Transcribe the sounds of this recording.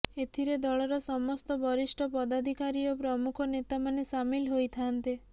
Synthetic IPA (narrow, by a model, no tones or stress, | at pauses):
et̪ʰiɾed̪ɔɭɔɾɔsɔmɔst̪ɔbɔɾisʈʰɔpɔd̪ad̪ʱikaɾiɔpɾɔmukʰɔnet̪amanesamilɦojt̪ʰant̪i